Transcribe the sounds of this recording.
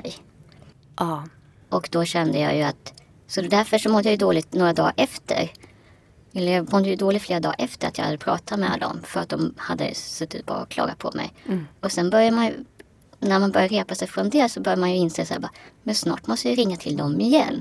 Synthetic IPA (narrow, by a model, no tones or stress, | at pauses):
ɛj | ʔɔkd̪ɔɕɛnd̪əjɑ̰ːjɵat̪ | sɔd̪æɾfœʂɔmɔd̪ːəjajɵd̪oːlɪt̪noːɾad̪ɑ̰ːʔɛft̪ʰə̰ɾ | ɛlːəɾjɑːmɔd̪ːəjɵd̪oːlɪt̪fleːɾad̪ɑːɾʔɛft̪əɾat̪jɑ̰ha̰d̪ːəpʰɾɑ̰ːt̪ʰamɛa̰ld̪ɔ̰mfœɾat̪̚d̪ɔmhad̪ːə̰sɵt̪ːɪt̪̚bɑ̰ːɾaɔkʰlɑ̰ːɡapʰɔ̰mʔɛ̰jɔsɛnbœɾjamanj̰ | næɾmanbœɾjaɾeːpasɛjfɾɔɛnd̪eːlsɔbœɾjaɾmanjɵɪnseːsæ̰ːɾbɑːmɛnsnɑ̰ːʈmɔst̪əjɪɾɪŋːat̪ʰɪld̪ɔmɪjɛ̰nː